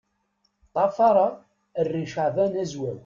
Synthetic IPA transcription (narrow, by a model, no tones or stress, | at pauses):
t̪ˤɑfɑɾˤɑ | ərːiʃaʕvænæzwæw